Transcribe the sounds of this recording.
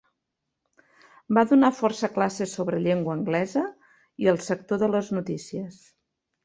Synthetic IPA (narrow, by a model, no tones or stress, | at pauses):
baðunafɔrsəklasəsoβɾəʎeŋɡwəːŋɡlɛzə | iəlˠsək̚t̪oðələznut̪isiəs